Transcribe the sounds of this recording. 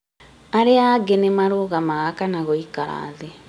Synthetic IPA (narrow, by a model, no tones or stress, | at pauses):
aɾeaɡenemaɾoɣamaɣakanaɣɔikaɾa̰ːðe